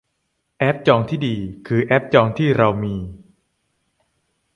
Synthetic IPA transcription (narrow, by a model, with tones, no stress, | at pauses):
ʔɛ˦˥p̚t͡ɕɔː˧ŋt̪ʰiː˥˩diː˧kʰɯː˧ʔɛ˦˥p̚t͡ɕɔː˧ŋt̪ʰiː˥˩ɾa˧wmiː˧